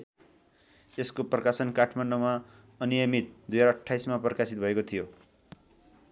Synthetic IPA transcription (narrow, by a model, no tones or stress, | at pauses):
eskoprʌkasʌnkaʈʰmanɖoma | ʌnijʌmit̪̚d̪ujd͡zaɾʌʈʰːajsmaprʌkasit̪̚bʱʌekot̪ʰijo